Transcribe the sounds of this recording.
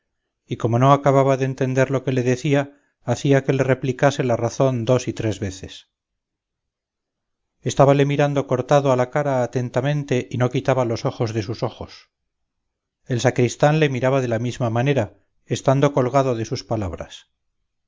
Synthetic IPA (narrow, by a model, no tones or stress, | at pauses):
iko̞mo̞no̞akaβaβaðeːnt̪e̞nd̪e̞ɾlo̞ke̞le̞ðe̞θiaː | θiake̞le̞re̞plikase̞laraθo̞nd̪o̞sit̪ɾe̞zβe̞θe̞s | e̞st̪aβale̞miɾand̪o̞ko̞ɾt̪aðoalakaɾaːt̪e̞nt̪amẽ̞nt̪e̞ʔino̞kit̪aβalo̞so̞xo̞zðe̞suso̞χo̞s | e̞lsakɾist̪anle̞miɾaβaðe̞lamizmamane̞ɾa | est̪and̪o̞ko̞lɣaðo̞ðe̞suspalaβɾa̰s